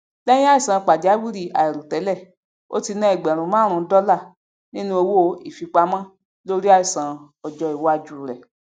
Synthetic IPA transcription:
lɛ˦j̃ĩ˦a˦i˦˨sã˨˧k͡pa˨di˨˦a˦wi˦ɾi˦˨a̰˨ɛ˨ɾu˨tɛ˨˦lɛ˦˨ | o̰˦ti˧nã˦ɛ˨ɡ͡bɛ˨ɾ̃ũ˨˦mã˦ɾ̃ũ˧˦dɔ˦la˦˨ | nĩ˦nũ˦o˧wo˦˨i˨fi˧k͡pa˧mã˦ | lo˦ɾi˦a˦i˦˨sã˨ | ɔ˨d͡ʒɔ˧i˨wɔ˨˦a˧d͡ʒu˨ɾɛ˨

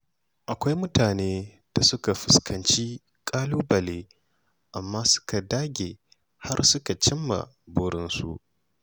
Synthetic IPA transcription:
ʔa˨kʷa˦jmʊ˦taː˨neː˦ | d̥a˨sʊ˦ka˨ɸɪ˨skʰɐ˨nt͡ʃiː˦ | kʼaː˦luː˦bɐ˨leː˦ | ʔa˨mːaː˦sʊ̥˦ka˨daː˦ɡʲeː˨ | ha˦rsʊ˦ka˨t͡ʃɪ˦mːa̰˨ | bʊ˦ɽɪ˦nsṵ˦ʔ

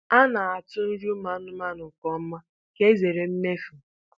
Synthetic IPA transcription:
a˦na˨a˨tʊ˦n̩˦ɾu˦ma˦nʊ˦ma˦nʊ˨kɔ˦m̩˦ma˦ | ke˦ze˨ɾe˨m̩˦me˦fu˨

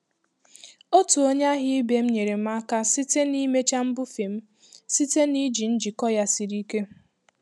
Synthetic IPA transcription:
o˦tu˨o˦ɲ˦a˦ɦɪ˦ɪ˦be˨m̩˦ɲe˨ɾe˨m̩˦a˦ka˦si˦te˦ni˦me˦t͡ʃa˦m̩˦bʊ˦fi˨m̩˦ | si˦te˦ni˦d͡ʒi˨n̩˦d͡ʒi˨kɔ˦ja˦si˨ɾi˦ke˦

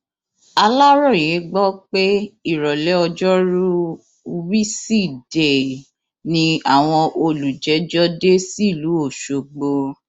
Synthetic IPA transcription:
a˧la˦ɾɔ˦˨jẽ˨˦ɡ͡bɔ˦k͡pe˦i˦˨ɾɔ˨lɛ˨˦ɔ˧d͡ʒɔ˦ɾu˦ | wi˦si˦˨de˨ | nĩ˧a˦˨w̃ɔ̃˧ʔo˧lu˨d͡ʒɛ˨˦d͡ʒɔ˦de˦si˦˨lu˨˦o˦˨ʃo˨ɡ͡bo˧

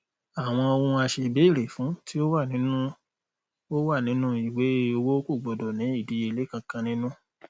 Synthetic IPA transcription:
a˨w̃ɔ̃˧ɔ˧wũ˧a˧ʃe˧be˨˦i˦˨ɾe˨fũ˨˦ti˦o˦wa˦˨nĩ˨˦nũ˦ | o˦wa˦˨nĩ˨˦nũ˦i˨we˨˦o˧wo˦ku˦˨ɡ͡bɔ˨dɔ˨nĩ˨˦i˦˨di˨˦e˧˨le˨˦kã˧kã˧nĩ˦nũ˦

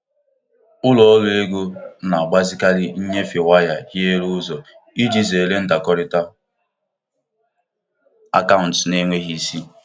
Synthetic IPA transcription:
ʊ˦lɔ˨ɔ˦lʊ˦e˦ɡo˦na˨a˨ɡ͡ba˦zɪ˦ka˦li˦n̩˦ɲe˦fe˨wa˦ja˨hje˦ɾu˦zɔ˨ | i˦d͡ʒi˦ze˨le˦n̩˦da˨kɔ˦ɾɪ˦ta˦ | a˦ka˦ʊ̃˨n̩˨tne˦ŋʷe˦ɦi˦˨si˦

